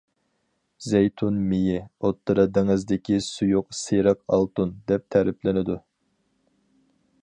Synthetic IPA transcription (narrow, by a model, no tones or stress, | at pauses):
zejt̪ʰunmijɪot̪ːɨɾɑd̪eŋɪzd̪ɪkʲʰisujuqseɾɑq̚ɑlˠt̪und̪ɛp̚t̪ʰæɾɪplɪnɪd̪u